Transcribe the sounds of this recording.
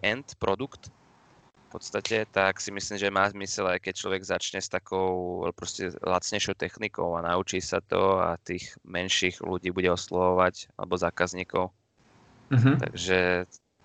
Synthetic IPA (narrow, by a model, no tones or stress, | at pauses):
ʔɛnt̪pɾʔɔd̪ukt̪ | fpɔt̪st̪acɛt̪aksimisliːmʒɛmaːzmisɛlajkɛc̚t͡ʃlɔ̰ʋɛɡzat͡ʃɲɛst̪akʰɔʊ̰pɾɔscɛ̰la̰t͡sɲɛɪʃɔʊt̪ɛxnikɔ̰ʊanaut͡ʃiːsa̰t̪ɔa̰t̪iːɣmɛnʃiːɣlṵɟiːbuɟɛɔslɔʋɔʋaca̰lɛ̰bɔzaːkazɲiːkɔʊ | ɦ̩t̪a̰ɡʒɛ